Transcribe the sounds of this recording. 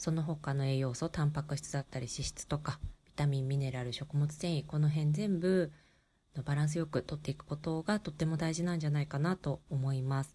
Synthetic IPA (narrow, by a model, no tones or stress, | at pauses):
so̞no̞ɦo̞kano̞e̞ːjo̞ːso̞t̪ãmpakɯ̟ɕi̥t͡sɨd̪at̪ːaɾʲiɕiɕi̥t͡sɨ̥t̪o̞kab̥ʲi̥t̪amʲĩmːʲine̞ɾaɾɯ̟ɕo̞kɯ̟mo̞t͡sɨ̥t̪ẽ̞ɰ̃iko̞no̞ɦẽ̞nd͡zẽ̞mbɯ̟ | no̞baɾãɰ̃s̬ɨjo̞kɯ̟t̪o̞t̪ːe̞ikɯ̥ko̞t̪o̞ɡat̪o̞t̪ːe̞mo̞d̪aiʑinãɲ̟d͡ʑanaikanat̪o̞ːmo̞imasɨ̥